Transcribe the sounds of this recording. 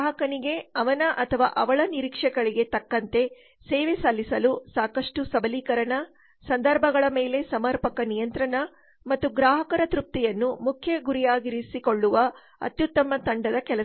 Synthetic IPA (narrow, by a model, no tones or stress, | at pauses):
ɦɐkɐniɡe̞ɐʋɐnɐʔɐt̪ʰɐʋa̰ːʔɐʋɐɭɐniɾikʂɛɡɐɭiɡe̞t̪ɐkːɐnt̪e̞ | sɛːʋesalːisɐlusaːkɐʂʈusɐbɐliːkɐɾɐɳɐ | sɐnd̪ʱɐɾbʱɐɡɐɭɐmeːle̞sɐmɐɾpɐkɐnijɐnt̪ɾɐɳɐ | mɐt̪ːuɡɾaːɦɐkɐɾɐt̪ɾup̚t̪ijɐnːumukʰjɐɡuɾijaːɡiɾisiko̞ɭːuʋɐ | ɐ̰t̪jut̪ːɐmɐt̪ɐɳɖɐd̪ɐkɛlɐ